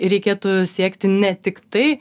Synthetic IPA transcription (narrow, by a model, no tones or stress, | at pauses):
ɪɾʲɛɪkʲeːt̪ʊsʲiɛkt̪ʲɪnʲɛt̪ʲɪkt̪ɐɪ